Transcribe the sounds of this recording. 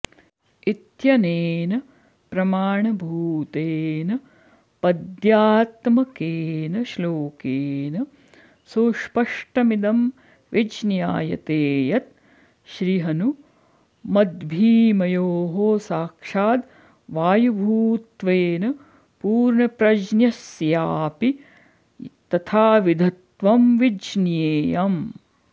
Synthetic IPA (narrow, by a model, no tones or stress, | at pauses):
it̪jɐneːnɐ | pɾɐmaːɳɐbʱuːt̪eːnɐ | pɐd̪jaːt̪mɐkeːnɐʃloːkeːnɐ | soːʃpɐʂʈɐmid̪ɐm | ʋid͡ʒnjaːjɐ̰t̪eːjɐt̪̚ | ʃɾiɦɐnu | mɐd̪bʱiːmɐjoːɦoːsaːkʂaːd̪ | ʋaːjɐbʱuːt̪ʋeːnɐ | puːɾɳɐpɾɐd͡ʒnjɐsjaːpi | t̪ɐt̪ʰaːʋid̪ʱɐt̪ʋɐmʋid͡ʒnjeːjam